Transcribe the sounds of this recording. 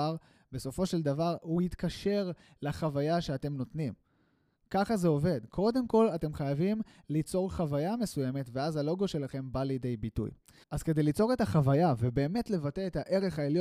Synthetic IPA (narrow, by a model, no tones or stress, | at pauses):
aʁ | be̞so̞fo̞ʃe̞ld̪avaʁuit̪kaʃe̞ʁ | laχavajaʃe̞ate̞mno̞tnim | kaχaze̞o̞ve̞dkʰo̞d̪e̞mko̞late̞mχajavim | lit͡so̞ʁχavajame̞suje̞me̞tve̞azalo̞ɡo̞ʃe̞laχe̞mbalid̪e̞jbitṵj | ʔazke̞d̪e̞jlit͡so̞ʁe̞taχavajavebe̞ːme̞tle̞vate̞etaʔe̞ʁe̞χaeljo